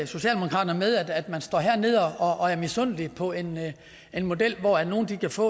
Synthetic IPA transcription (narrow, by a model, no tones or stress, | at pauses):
so̝ɕɛ̰ːld̥e̝mokʰɑ̈ːdɐnɐmeð̞ˠæd̥æd̥mænsd̥ɒ̰ːɦæɐ̰ne̝ð̞̰ˠɒɒʔːæɐmisɔn̰lipʰɒ̽e̝n | e̝nmo̝d̥el̰ʋɒæno̝ːnd̥ikʰæfɔ̰ː